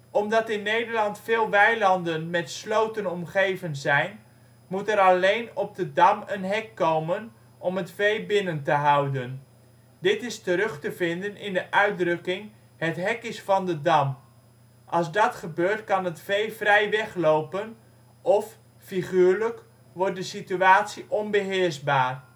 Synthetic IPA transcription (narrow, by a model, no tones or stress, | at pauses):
ʔɔmdɑtɪnːejdəɹlɑntfɪːlˠʋɛjlɑndənmɛtslowtənɔmχejvənzɛjn | mutəɾɑlejnɔpb̚dədɑmənɦɛkːowmən | ʔɔmətfejbɪnəntəɦʌwdən | dɪtɪstəɾɵχtəvɪndənɪndəʔœɥt̚drɵkɪŋ | hətɦɛkɪsfɑndədɑm | ʔɑlˠzdɑtχəbøːɹtkɑnətfejvrɛjʋɛχlowpən | ʔɔf | fiχyːɹlək | ʋɔrt̚dəsityaːtsiʔɔnbəɦɪːɹzbaːr